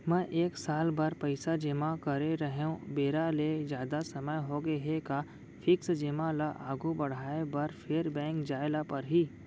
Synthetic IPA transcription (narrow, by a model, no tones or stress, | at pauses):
mɛ̃ʔeːksaːlbaɾpɐɪsad͡ʒɪmakɐɾeɾɐɦeũbeːɾaled͡ʒjaːd̪asɐməjɦoːɡeɦeka | fɪksd͡ʒɪmalaʔaːɡubɐɽ̤aːebɐɾfʰeːɾbɛ̃ːŋkd͡ʒaːlapɐɾɦiː